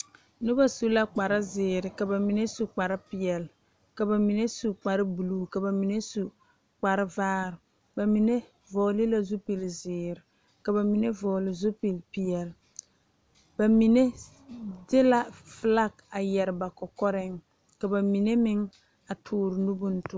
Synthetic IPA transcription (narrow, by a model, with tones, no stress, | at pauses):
nʊ˦ba˦su˦la˦k͡pa˨ɾɪ˦zɪː˨ɾɪ˨ka˨ba˨mi˨ne˦su˨k͡pa˨ɾɪ˦pɪ˨ɛ˨l | ka˨ba˨mi˨ne˦su˨k͡pa˨ɾɪ˦bu˨luː˦ka˨ba˨mi˨ne˦su˨ | k͡pa˨ɾɪ˦vaː˦ɾɪ˨ | ba˨mi˨ne˦ | vɔː˨lɪ˦la˦zu˦pi˨lzɪː˨ɾɪ˨ | ka˨ba˨mi˨ne˦vɔː˨lɪ˦˨zu˦pi˨lpɪ˨ɛ˨l | ba˨mi˨ne˦ | dɪ˦la˦fla˦k̚a˨jɛ˨ɾɪ˨ba˨kɔ˨kɔ˦ɾɪ˦ŋ | ka˨ba˨mi˨ne˦mɪ˦ŋ | a˨tʰʊː˨˦˨ɾɪ˨nu˦bʊ˦n̩˦tʊ˦